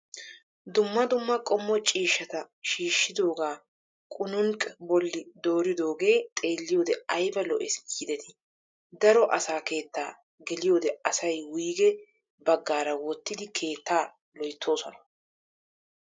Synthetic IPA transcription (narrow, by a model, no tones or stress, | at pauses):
d̪ʊmːɐd̪ʊmːɐkʼɔmːɔt͡ʃʼiːʃːɐt̪ɐ | ʃiːʃːɪd̪o̞ːɡaː | kʼʊnʊŋkʼɛbɔlːɪd̪o̞ːɾɪd̪o̞ːɡe̞ːt̪ʼe̞ːlːɪjo̞ːd̪ɛɐjbɐlɔʔɛsɡiːd̪ɛt̪ʰɪ̥ | d̪ɐɾɔʔɐsaːke̞ːt̪ːaː | ɡɛlɪjo̞ːd̪ɛɐsɐjwʊuːɡɛ | bɐɡːaːɾɐwɔt̪ːɪd̪ɪkʰe̞ːt̪ːaː | lɔjt̪ʰːo̞ːsɔnɐ